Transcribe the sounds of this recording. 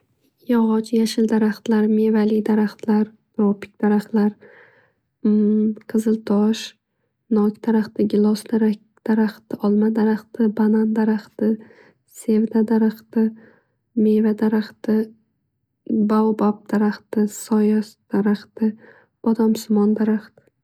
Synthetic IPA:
jɒʁɒt͡ʃjaʃɪld̪aɾaχt̪laɾme̞valid̪aɾaχt̪laɾ | ɾopʰɪ̥k̚ʲd̪̥aɾaχt̪laɾ | qʰɨzɨlt̪ʰɒʃ | nɒkʲd̪̥aɾaχt̪ɪɡʲɪlˠɒsd̪aɾa | d̪̥aɾaχt̪ɪʔɒlˠmad̪aɾaχt̪ɪbanand̪aɾaχt̪ɪ | se̞vd̪ad̪aɾaχt̪ɪ | me̞vad̪aɾaχt̪ɪ | bawbap̚d̪̥aɾaχt̪ɪsɒjɑsd̪̥aɾaχt̪ɪ | b̥ɒd̪ɒmsʊmɒnd̪aɾaχt̪ɪ̥

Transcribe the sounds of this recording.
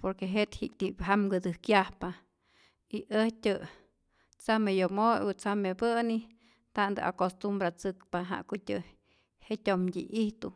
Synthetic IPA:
poɾkeɦet̪hikt̪ipɦamɡɨd̪ɨhkjahpa | iʔəhtʲɨ | t͡samejomojut͡samebəni | t̪and̪ɨ̰ʔa̰kost̪umbɾat͡sɨkpaɦa̰ʔkutʲɨ | hetʲomdʲḭʔiht̪u

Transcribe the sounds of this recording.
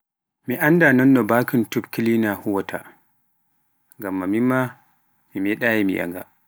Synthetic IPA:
miʔandanɔnːɔbakintubkilinahuwɔtʰa̰ | ŋɡamːamimːa | mimɛɗaːjimḭʔa̰ŋɡa̰

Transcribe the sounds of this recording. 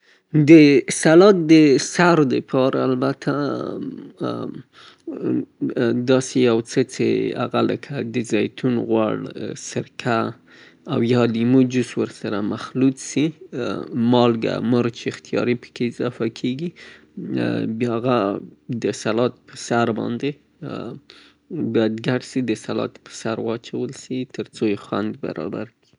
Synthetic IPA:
d̪əsalɑt̪̚d̪əsaɾd̪əpʰɑɾaːlbat̪ʰa | d̪ɑsejawt͡sət͡sḛa̰ɣalə̰kʰad̪əzɑjt̪ʰunɣwa̰ɽsɪɾkʰa | awjɑlimud͡ʒuswəɾsaɾamaxlut̪si | mɑlɡa̰məɾt͡ʃeɪxt̪ijɑ̰ɾipə̥keɪzɑfakʰeɡi | bjaɣad̪əsalɑt̪̚pʰə̥saɾbɑ̰nd̪e | bjɑjd̪ɡaɖsid̪əsalɑ̰t̪pə̥saɾwɑt͡ʃawəlsit̪əɾt͡sojexwand̪ba̰ɾɑ̰ba̰ɾki̥

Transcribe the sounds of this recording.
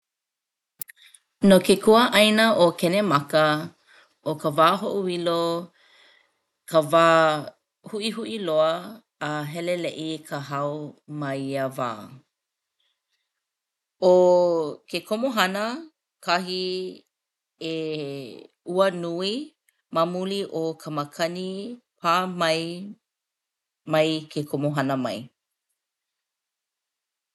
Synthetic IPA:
nokekʰuəʔɐjnəʔokʰɛnemɐkə | okəvaːɦoʔuwilo | kʰəvaː | huʔiɦuʔiloəː | ɦɛleleʔikʰəɦɐwmɐiəva̰ː | okʰekʰomoɦɐnə | kʰɐɦi | e | uənui | mamuliʔokʰɐməkʰɐnipʰaːmɐj | mɐjkʰekʰomoɦɐnəmɐ̰j

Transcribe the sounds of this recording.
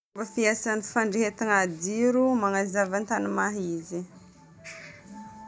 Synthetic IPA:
bəfiasanfaɳɖ͡ʐeɦet̪iŋad̪iɾumaŋazavant̪anumaɦizi

